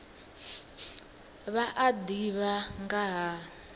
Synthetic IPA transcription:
βaʔadiβaŋɡaɦa

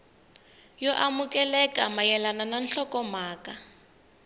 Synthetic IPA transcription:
jɔʔamukɛlɛkamajɛlanananɬɔkɔmaːka

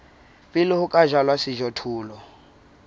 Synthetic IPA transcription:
pʼɪlɪhʊkʼaʒalwasɪʒɔtʰuːlɔ

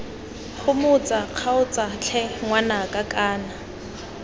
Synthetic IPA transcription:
χʊmʊt͡sʼaq͡χʰaʊt͡sʼat͡ɬʰɛŋwanakʼakʼaːna

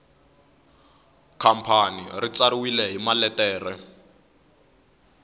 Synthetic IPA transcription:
kʰam̩pʰanḭrit͡saɾiwilɛɦimalɛtɛːrɛ

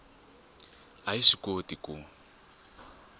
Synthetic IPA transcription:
aiʃikotʼikʼʊ

